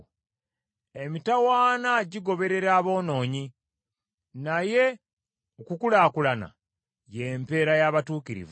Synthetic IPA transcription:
e̞mitawaːnaɟiɡo̞βe̞ɾe̞ɾaːβo̞ːno̞ːɲi | naje̞ | okukulaːkulana̰ | jempe̞ːɾajaβatuːkiɾḭv

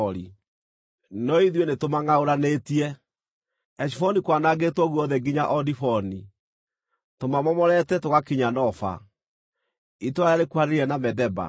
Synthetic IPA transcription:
ɾi | nɔiðjwenetomaŋaoɾanetiɛ | ɛʃ̬ifɔnikwanaɣetwɔɣuɔðɛɡiɲaʔɔdifɔni | tomamɔmɔɾɛtɛtoɣakiɲanɔfa̰ | itoajaɾekuaneɾiɛnamɛdɛba̰

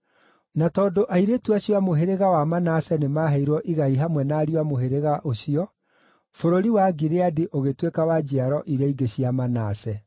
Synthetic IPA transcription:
natɔːdoʔaiɾetuaɕwamoɦeɾeɣawamanasɛnemaɦɛiɾwɔʔiɣaiɦamwɛnaːɾiwamoɦeɾeɣaʔoɕiɔ | foɾoɾiwaɡiɾeadiʔoɣetwekawad͡ʒiaɾɔʔiɾaiɡeɕiamanasɛ

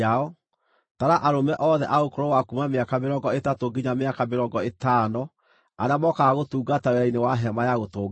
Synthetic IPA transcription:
aɔ | taɾaʔaɾomɛʔɔðɛʔaokoɾɔwakumameakameɾɔŋɡɔetatoɡiɲameakameɾɔɡɔetaːnɔ | aɾamɔkaɣotuːɡataweɾainewaɦɛmajaɣotoːɡ

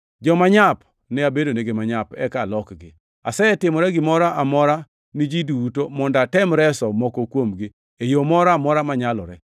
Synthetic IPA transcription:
d͡ʒɔmaɲap | nɛabedoneɡemaɲapɛkalɔkɡɪ | a̰sɛɛtɪmɔɾɛɡɪmɔɾaʔamɔɾa | nid͡ʒidutomɔndatɛmɾɛsɔmɔkokwomɡɪ | ejomɔɾamɔɾamaɲalɔ̰ɾɛ

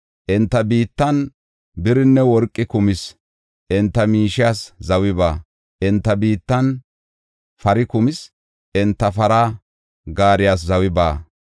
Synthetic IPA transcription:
ʔɪnt̪ːɐbiːt̪ːɐn | bɪɾɪnːɛwɔɾkʼːɪkʊmɪs | ʔɪnt̪ːɐmiːʃɪjaːszɐwɪbaː | ʔɪnt̪ːɐbiːt̪ːɐn | fɐɾɪkʊmɪs | ʔɪnt̪ːɐfɐɾaː | ɡaːɾɪjaːs̬zɐwɪba̰ː

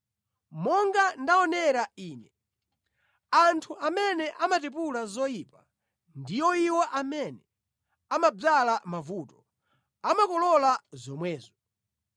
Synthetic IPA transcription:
mɔŋɡandaɔnɛɾaiːnɛ | antʰuʔamɛnɛʔamatɛp̬ulazɔjipa | ndijɔiwɔʔamɛnɛ | amab͡ʐalamavuːtɔ̥ | amakɔlɔlazɔmwɛːzɔ

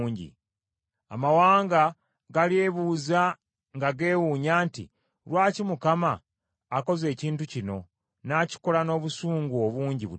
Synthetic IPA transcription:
ɲɟḭ | a̰mawaːŋɡa | ɡalie̞βuːza | ŋɡaɡe̞ːwuɲaːntḭ | lwaːcimukamaː | ko̞ze̞ːciːntucino̞ | naci̥ko̞lano̞ːβusuːŋɡuoβuːɲɟiβu

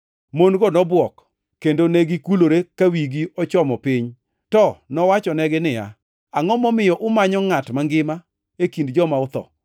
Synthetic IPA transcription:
monɡɔnɔbwɔk | kːendoneɡikuloɾekawiɡiɔt͡ʃɔmɔpɪɲ | tɔnɔwat͡ʃɔnɛɡɪnɪja̰ | aŋɔmɔmɪjɔʔʊmaɲɔŋatmaŋɡɪma | ekindd͡ʒɔmaʊt̪ɔ̰

